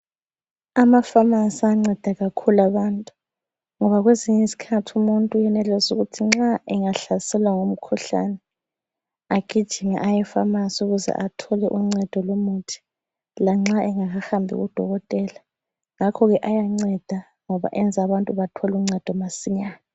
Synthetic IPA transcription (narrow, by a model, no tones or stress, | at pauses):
amafamansaŋ͡ǀɛd̥ʱaɣakʰulaβaːntʼu | ŋɔβaɣweziɲɛsi̥kʰatʰumuntʼujɛnɛlɛzuɣutʰiŋ͡ǁaʔɛŋaɬasɛlwaŋom̩kʰuɬa̰nɛ | aɡ̥ʱid̥ʒ̥ʱinɛʔajɛfamasuɣuzɛ̰ʔatʰɔlɛʔuŋ͡ǀɛd̥ʱɔlomutʰi̥ | laŋ͡ǁaɛŋaɣaxambʱḭɣṵd̥ʱɔɣɔtʼɛːla | ŋakʰɔɣɛʔajaŋ͡ǀɛd̥ʱa | ŋɔβa̰ʔɛnd͡zʱaβantʼuβatʰɔluŋ͡ǀɛd̥ʱɔmasiɲaːna